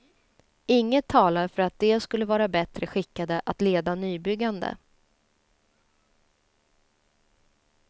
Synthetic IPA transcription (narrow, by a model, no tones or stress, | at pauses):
ɪŋːət̪ʰːɑːlaɾfœɾat̪̚d̪ɛːskɵlːəvɑːɾabɛt̪ɾəɧɪkːad̪əʔat̪leːd̪anyːbʏɡːand̪ə̰